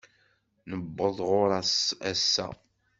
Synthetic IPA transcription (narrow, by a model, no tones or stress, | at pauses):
nəbːəðˤʁʊɾææsːæ̰